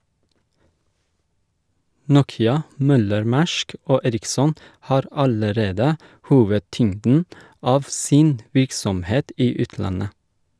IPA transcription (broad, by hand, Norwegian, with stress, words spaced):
ˈnuːkɪɑ ˈmœləɾˌmæʃk ˈoː ˈeːɾɪksɔn ˈhɑːɾ ˈɑləˌɾeːdə ˈhuːʋəˌtʏŋdn̩ ˈɑːʋ ˈsɪn ˈʋɪɾksɔmˌheːt ˈiː ˈʉːtˌlɑnə